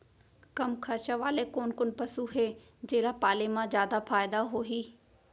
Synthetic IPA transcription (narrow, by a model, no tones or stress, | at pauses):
kɐmkʰɐɾt͡ʃaʋaːlekoːnkʊnpɐsuɦeː | d͡ʑeːlapaːlemãzjaːd̪afaːɪd̪aɦoːɦiː